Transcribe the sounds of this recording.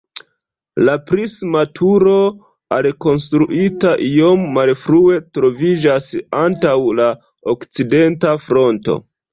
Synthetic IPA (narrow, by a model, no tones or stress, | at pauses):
lapɾismatʰuɾo̞ | alko̞ns̬tɾuʔitaʔio̞mːalfɾue̞tɾo̞vid͡ʒasantawla | okt͡side̞ntafɾo̞nto̞̰